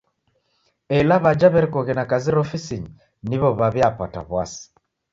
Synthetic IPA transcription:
ɛlaβad͡ʒaβɛɾikɔɣɛnakaziɾɔfisiɲi | niβɔβaβjapa̰ta̰βwasi̥

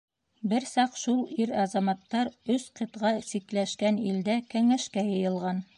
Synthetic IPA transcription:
bɘɾsɑqʃulˠiɾɑzɑmɑt̪ːɑɾɵsqɤ̆t̪ʁɑsiklæʃkænild̪ækæŋæʃkæjɤ̆jɤ̆lˠʁɑn

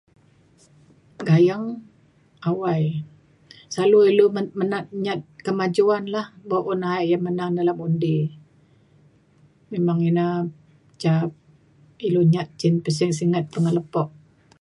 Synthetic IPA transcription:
ɡajaŋ | awaj | saluilumənat̪̚ɲat̪̚kəmad͡ʒuanlahboʔʊnaiʔjaŋmənaŋdalamundi | memaŋina | t͡ʃap̚ | iluɲat̪̚t͡ʃɪnpəs̬ɪŋs̬iŋat̪̚pəŋələpɔʔ̚

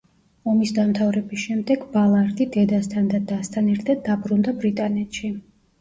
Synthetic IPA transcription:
ɔmisd̪amt̪ʰavɾɛbisʃɛmd̪ɛɡbalˠaɾd̪id̪ɛd̪ast̪ʰand̪ad̪ast̪ʰanɛɾt̪ʰad̪̚ːabɾund̪abɾit̪ʼanɛt̪ʰʃi

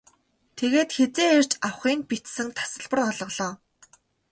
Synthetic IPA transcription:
t̪ʰeɣeːt̪xet͡seːer̥t͡ɕawχiːnpit̪sɘ̆ŋt̪ʰḁsə̆ɮpə̆rɔɮɞ̆ɮɔː

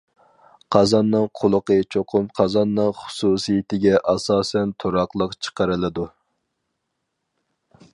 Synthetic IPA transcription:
qʰɑzɑnːɨŋqʰʊlˠʊqət͡ʃʰoqʰʊmqʰɑzɑnːɨŋχʊ̥susijɪt̪ɪɡʲɛʔɑsɑːsɛnt̪ʰoɾɑqlˠəqt͡ʃʰə̥qəɾɨlˠɨd̪u

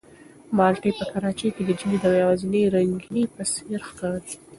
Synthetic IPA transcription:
mɑlʈəjpəkaɾɑt͡ʃejked̪əd͡ʒimid̪awjawɑzinəjɾaŋɡinipəseɾxkaɾ

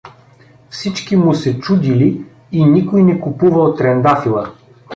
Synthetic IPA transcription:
fsit͡ʃkimusɛt͡ʃud̪ili | inikojnɛkupuvɐlt̪ɾɛnd̪afilˠə

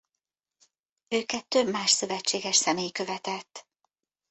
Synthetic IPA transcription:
øːkɛt̪ːø̞bmaːʃsø̞vɛt͡ʃːeːɡɛʃsɛmeːjkø̞vɛt̪ɛt̪ː

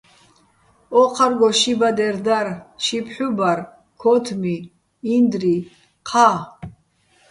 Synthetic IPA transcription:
ɔqʰarɡɔʃibad̪ɛɾd̪arʃipʰħubar | kʰɔt̪ʰmiː | nd̪ri | qʰa

